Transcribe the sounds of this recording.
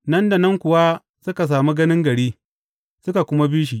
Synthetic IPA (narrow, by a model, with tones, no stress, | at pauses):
nɐ˦nda˨nɐ˦ŋkʷʊ˨wa˦ | sʊ˦ka˨s̬aː˨mi˦ɡɐ˦nɪ˦ŋɡɐ˨ɽiː˦ | sʊ˦ka˨kʷʊ˦ma˦biː˦ʃ̬i˨ʔ